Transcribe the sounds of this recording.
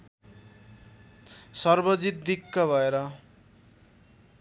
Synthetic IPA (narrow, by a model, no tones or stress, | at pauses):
sʌrbʌd͡zit̪̚d̪ikːʌbʱʌeɾʌ